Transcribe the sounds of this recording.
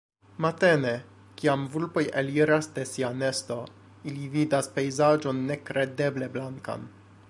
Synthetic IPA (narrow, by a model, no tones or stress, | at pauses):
mate̞ne | kiamvulpo̞jeliɾasde̞siane̞sto̞ | ilividaspe̞jzad͡ʒo̞nːe̞kɾe̞de̞ble̞blaŋka̰n